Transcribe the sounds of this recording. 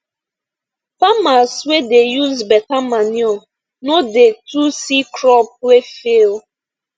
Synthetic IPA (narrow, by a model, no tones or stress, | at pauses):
pamaswedejuzbɛtamanjɔ | nodetusikɾɔp̚wefel